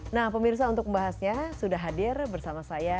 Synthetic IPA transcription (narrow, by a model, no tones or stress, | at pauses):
nahpəmirs̬aunt̪ʊk̚məmbaɦasɲasudaɦadɪrbərsamasaja